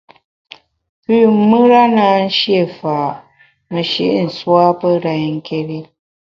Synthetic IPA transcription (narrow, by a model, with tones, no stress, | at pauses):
pʉː˦˨˦mɨ˦ɾa˦naː˨˦n̩˦ʃje˦˨faː˨ʔ | mə˨ʃḭ˦˨ʔn̩˨swa˦pə˦ɾa˨jŋ̩˦ke˦ɾi˦